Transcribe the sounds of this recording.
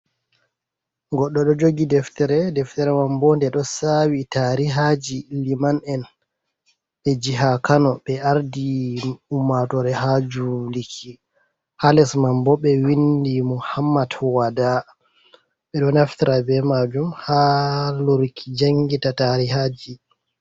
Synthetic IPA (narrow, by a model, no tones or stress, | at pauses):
ɡɔɗːɔɗɔd͡ʒoɡidɛftɛɾɛdɛftɛɾɛmambɔndɛɗɔsawitaɾiɦad͡ʒilimanɛn | ɓɛd͡ʒiɦakanɔɓɛaɾdiumatɔɾɛɦad͡ʒulikʰi | halɛsmambɔɓɛwindimuhamːadwada | ɓɛɗɔnaftiɾabɛmad͡ʒumhaluɾkʰid͡ʒaŋɡitataɾiɦad͡ʒi